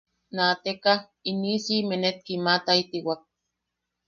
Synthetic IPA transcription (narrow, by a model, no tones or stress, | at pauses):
naːt̪ekah | inisimenet̪̚kimat̪ait̪iwak̚